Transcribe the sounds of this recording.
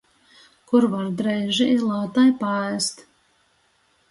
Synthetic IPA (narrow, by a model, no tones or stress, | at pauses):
kuɾvaɾd̪ɾɛjʒilˠawt̪ajpaæst̪